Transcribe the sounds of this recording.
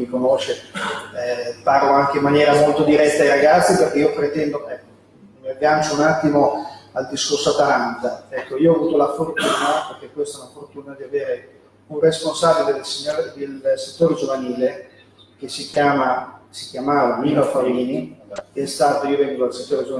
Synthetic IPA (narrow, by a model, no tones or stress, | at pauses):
mikonoːt͡ʃe | parloaŋk̟eimːanjɛːɾamolt̪od̪iɾɛt̪ːaːjɾaɡat̪sːiperk̟eiːopɾet̪ɛnd̪ome | mevjant͡ʃounat̪ːimoald̪iskorsoat̪ːaɾant̪aɛkːoiːoɔːvuːt̪olafort̪uːnaperk̟ekːwest̪aunafort̪uːnad̪iaveːɾe | unresponsaːbiled̪elsiɲːoɾed̪elset̪ːoːɾed͡ʒovaniːle | k̟esːikjaːmasi̥kjamaːvamiːnofaliːniakest̪aːt̪oiːovɛŋɡoalset̪ːoːɾed͡ʒov